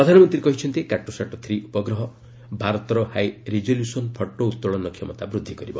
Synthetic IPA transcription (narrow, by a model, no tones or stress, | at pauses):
ɾɔd̪ʱanɔmɔnt̪ɾiɾekɔɦit͡ʃʰɔnt̪ikaʈosaʈɔt̪ʰɾiʔupɔɡɾɔɦɔ | bʱaɾɔt̪ɔɾɔhajɾid͡ʒoljusɔnpʰɔʈːout̪ːɔɭɔnɔkʰːjɔmɔt̪abɾud̪ʱːikɔɾibɔ